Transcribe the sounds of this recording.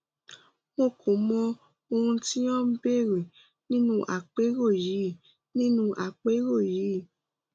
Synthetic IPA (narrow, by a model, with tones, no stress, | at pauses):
mo˦˨kʰo˨˦mɔ̃˧ | o˧ɾũ˧ti˦ɔ̃˦be˦˨ɾe˨ | nĩ˦nũ˦ʔa̰˨k͡pe˨˦ɾo˦˨ji˨˦˨ | nĩ˦nũ˦ʔa˨k͡pe˨˦ɾo˦˨ji˨˦